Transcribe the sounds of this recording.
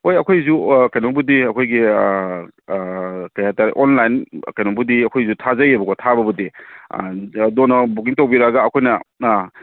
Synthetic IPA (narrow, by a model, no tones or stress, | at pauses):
ojɐkʰojzukajnɔŋbudiɐkʰojɡi | kajataɾʔonlajnkajnɔŋbudiɐkʰojzutʰazɐjebɐkotʰabɐbudḭ | donɐbuɡiŋtowbiɾaɡaːkʰojnɐ